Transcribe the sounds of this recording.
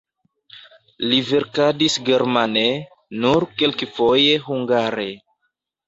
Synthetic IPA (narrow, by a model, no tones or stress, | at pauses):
liveɾkadisɡe̞ɾmane | nuɾkelkefo̞je̞ɦuŋɡaɾe